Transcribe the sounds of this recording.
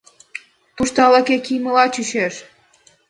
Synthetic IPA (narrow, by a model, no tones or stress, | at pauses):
t̪uʃt̪ɑlɑkekiməlɑt͡ɕyɕeʃ